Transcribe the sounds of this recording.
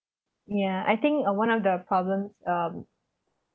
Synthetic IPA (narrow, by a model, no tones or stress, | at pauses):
jæa̰ɪt̪ɪ̃ŋkwãnɔfd̪əpʰɹ̥ɔblə̃msʌm